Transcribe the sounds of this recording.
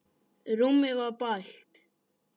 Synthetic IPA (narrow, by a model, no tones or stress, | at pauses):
ɾumːɪvaɾpajlt̪